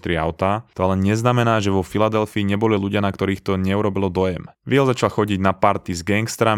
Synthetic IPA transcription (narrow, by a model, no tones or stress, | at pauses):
t̪ɾɪa̰ʊt̪at̪ɔalɛɲɛznamɛnaːʒɛʋɔfilad̪ɛlfiːɲɛbɔliluɟɪanakt̪ɔɾiːxt̪ɔɲɛuɾɔbilɔd̪ɔjɛmʋɪɛlzat͡ʃalxɔɟiɟnapaɾt̪izɡɛŋɡst̪ɾam